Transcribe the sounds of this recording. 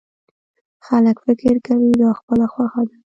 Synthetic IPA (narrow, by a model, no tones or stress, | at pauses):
xaləkfɪkɪɾkawid̪ɑxpəlaxwaxad̪a